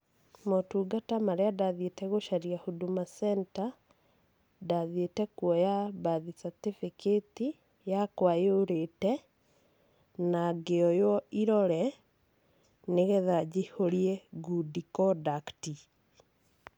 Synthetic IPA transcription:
motuːɡatamaɾeadaðetɛɣoʃaɾiahodumasɛnta | daðietɛkwɔjabaðisatefeketi | jakwajoɾetɛ | naɡeɔjɔiɾɔɾɛ | neɣɛðad͡ʑihoɾiɛɡudikɔdakti

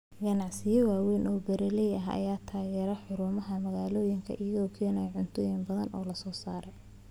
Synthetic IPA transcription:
ɡɐnɑʕsɪjɔwaːwɛːnʔɔːbɐɾɛlɛjɐɦɐ̰jaːt̪ʰaːɣɛːɾɐħʊɾʊmɐɦɐmɐɣaːlɔːjɪŋkʰɐ̰ʔɪjɐɣɔːkʰɛːnɐjʕʊnt̪ʰɔːjɪmbɐðɐnʔɔːlɐsɔːsaːɾɛ

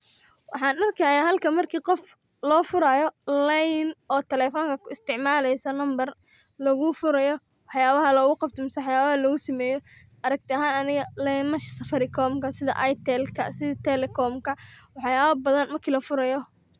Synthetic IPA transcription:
wɑħɑːnɐrkʰɐːjaːɦɐlkʰɐmɐrkʰiːqɔf | lɔːfʊɾajɔlɛjnɔːt̪ʰɛlɛfɔːŋkʰɐkʰʊɪst̪ʰɪʕmaːlɛjsɐlɐmbɐr | lɔɣʊfʊɾɐjɔ | wɑħjaːβɐɦɐlɔːɣʊqɑb̚t̪ʰɐmʊswħjaːβɐhɐlɔɣʊsɐmɛːjɔ | ʔɐɾɐɡ̚t̪ʰɪɐɦaːnɐnɪɣɐlɛjnmɐʃsɐfɐɾɪkʰɔːmkʰɐsɪðɐ̰ʔɐjt̪ʰɛlkʰɐ̰sɪðɐt̪ʰɛlɛkʰɔmkʰɐwɑħjaːβɐbɐðɐnmɐrkʰiːlɐfʊɾɐjɔ

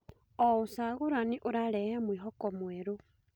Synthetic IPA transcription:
ousaɣuɾaniʔuɾaɾɛhemwiːɦɔkɔmweɾu

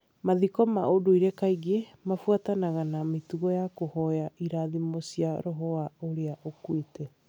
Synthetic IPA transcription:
maðikɔmaodoiɾɛkaiɡemafwatanaɣanametuɣɔjakohɔjaʔiɾaðimosiaɾoɦɔaoɾeaʔokwetɛ

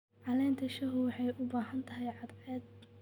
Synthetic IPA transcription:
ʕɑlɛːnt̪ʰɐʃɐɦʊwɑħɑjʔʊbaːɦɐnt̪ʰɐɦɛjʕɑd̪ʕɛːd̪̚

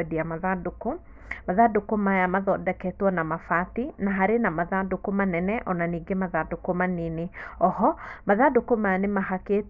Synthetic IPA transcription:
diamaðaduko | maðadokomajamaðɔdɛkɛtwɔnamafatinaɦaɾenamaðadukomanɛnɛʔɔnaniɡemaðadukomanineɔhɔmaðadokomajanemaɦake

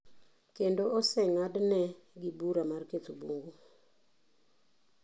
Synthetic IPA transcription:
kendoɔsɛŋadnɛɡɪbuɾamarket̪oboŋɡo

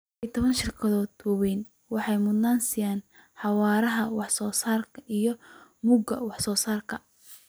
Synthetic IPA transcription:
it̪ʰɔβɐnʃɪrkʰɐðɔːd̪wɑwɛjn | wɑħɑjmʊd̪naːnsɪjaːn | ħɑwɑːɾɐɦɐwɑħsɔːsaːrkʰɐʔijɞmʊɡɐ̰wɑħsɔːsaːrkʰɐ

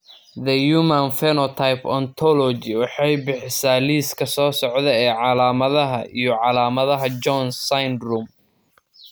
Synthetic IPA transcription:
d̪ɐjuːmɐnfɛnɔt̪ʰajpɔnt̪ʰɔlɔt͡ʃɪwɑħɑjbɪħɪsaːliːskʰɐsɔːsɔʕðɛɛːʕɑlaːmɐðɐɦɐʔijɞʕɑlaːmɐðɐɦɐd͡ʒɔnsajnruːm

